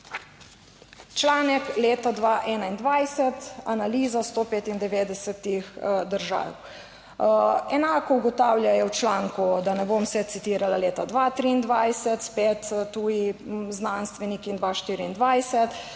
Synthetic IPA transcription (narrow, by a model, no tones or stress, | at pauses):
t͡ʃlaːnɛkleːt̪ad̪ʋaːʔɛːnaind̪ʋajsɛt̪analiːzast̪oːpeːt̪ind̪ɛʋeːd̪ɛsɛt̪ixd̪əɾʒa̰ːw | ɛnaːkɔuɡɔt̪aːwljajɛwt͡ʃlaːŋkud̪anɛbomsɛt̪sit̪iːɾalaleːt̪ad̪ʋat̪ɾiːnd̪ʋajsɛt̪spet̪t̪ːuːjiznanst̪ʋɛnikind̪ʋaʃt̪iːɾiːnd̪ʋajsɛt̪